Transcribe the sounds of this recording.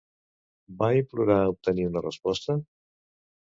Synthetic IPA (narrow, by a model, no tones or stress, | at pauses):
bajpɾuɾaup̚t̪əniunərəspɔst̪ə